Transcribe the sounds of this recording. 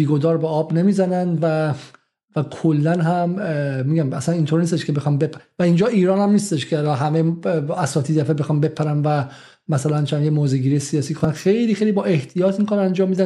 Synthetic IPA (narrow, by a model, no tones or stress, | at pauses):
biːɡo̞d̪ɒːɾbeɒːbnemiːzænænvæ | vækʰolːænɦæmmiːɡæmæsæniːnt̪ʰoɾniːst̪eʃkʰebe̞xɒːnbepʰævæind͡ʒɒːiːɾɒːnhæmniːst̪e̞ʃcʰeælɒɦæmeæsɒːt̪ʰiːd̪æfebexɒːnbe̞pʰæɾænvæ | mæsælænt͡ʃʰænjemoːzeɡiːɾijesiɒːsiːkʰonænxe̞jliːxejliːbɒːʔe̞ht̪ʰijɒːt̪ʰmiːkʰonænd͡ʒɒːmːiːd̪æ